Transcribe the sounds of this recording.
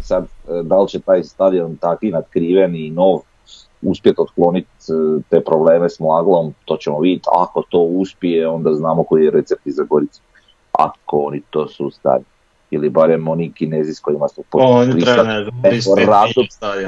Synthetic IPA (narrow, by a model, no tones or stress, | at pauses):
sad̪d̪alt͡ɕet̪aːjst̪ad̪iont̪akinad̪kɾiːʋeniːno̞ːʋ | uspjet̪ot̪klˠo̞nit̪t̪e̞pɾo̞ble̞ːmesmlˠaɡlˠo̞mt̪o̞ːt͡ɕemoʋid̪ʲet̪a̰ko̞t̪o̞ːuspijeo̞nd̪aznaːmoko̞ijeɾe̞t̪se̞p̚t̪izaɡo̞ɾit̪su̥ | a̰ko̞onit̪o̞ːsust̪a̰ɾi | ilibaɾemo̞nikineːziskoimasuponɾiaeɾad̪oad̪